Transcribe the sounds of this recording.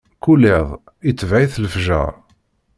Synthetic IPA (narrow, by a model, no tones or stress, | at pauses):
kuleðˤ | it͡sːvʕiθləfʒæ̰